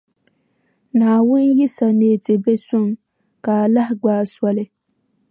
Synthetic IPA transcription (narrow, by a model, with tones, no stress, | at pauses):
naː˨wʊ˦nji˦sa˨neː˦˨tɪ˨be˦sʊ˦˨m | ka˨la˦hɪ˦ɡ͡baː˦swɔ˦lɪ˦